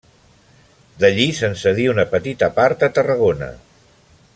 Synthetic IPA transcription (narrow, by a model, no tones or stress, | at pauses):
d̪əʎisənsəð̞iunəpət̪it̪əpaɾt̪ət̪ərəɣ̞onə̰